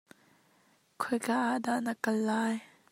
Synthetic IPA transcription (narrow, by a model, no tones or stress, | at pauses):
kʰɔjkaʔaʔdaʔnakɐlːaːj